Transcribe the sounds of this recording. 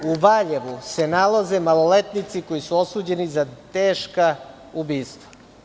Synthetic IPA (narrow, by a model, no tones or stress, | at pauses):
uʋaʎeʋuse̞nalˠaze̞malolet̪nit̪siko̞jisuo̞suːd͡ʑe̞nizat̪eːʃka | ubiːst̪ʋa